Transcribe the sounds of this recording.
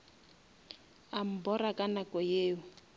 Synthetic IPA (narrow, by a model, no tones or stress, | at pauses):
am̩bɔrakʼanakʼɔjeːʊ